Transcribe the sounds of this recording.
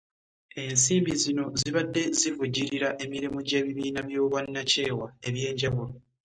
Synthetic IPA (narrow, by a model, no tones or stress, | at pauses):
e̞nsiːmbizino̞ziβadːe̞zivuɟiɾiɾaʔe̞miɾimuɟe̞ːβiβiːnaβjo̞ːβwanːace̞ːwae̞βje̞ːɲɟaβulo